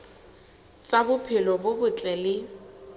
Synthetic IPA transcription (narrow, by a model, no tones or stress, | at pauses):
t͡sʼabʊpʰɪlɔbʊbʊt͡ɬʼɛlɪ